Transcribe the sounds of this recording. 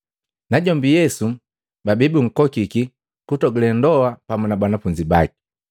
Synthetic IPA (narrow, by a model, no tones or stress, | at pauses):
naɟɔmbijɛsu | babibuŋ̩kɔkiki | kutɔɡilɛndɔapamunabanafuɲd͡ʒibaki̥